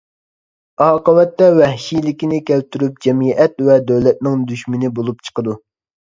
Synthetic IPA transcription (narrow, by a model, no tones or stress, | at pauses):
ɑːqəwɛt̪ːɛwɛhʃijlɪkʲinɪkʲʰɛlt̪yɾyp̚d͡ʒɛmiʔɛt̪vɛd̪øwlɛt̪̚nɪŋd̪yʃmɪnɪbolˠupt͡ʃʰə̥qəd̪u